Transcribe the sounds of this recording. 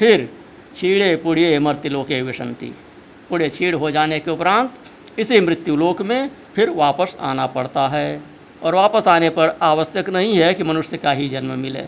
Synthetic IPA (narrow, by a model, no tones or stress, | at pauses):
pʰɪɾ | t͡ʃʰiːɽepʊɽijeməɾt̪iloːkeʋɪʃə̰nt̪ḭ | pʊɽet͡ʃʰiːɽɦod͡ʒaːnekeʊpɾãːnt̪ | ɪsimɾɪt̪juloːkmẽpʰɪɾʋaːpəsa̰ːnapɐɽt̪aɦɛː | ɔːɾʋaːpəsaːnepɐɾaːʋəsjəknɐɦĩɦɛkimənʊʃjəkaɦid͡ʒənməmɪlḛː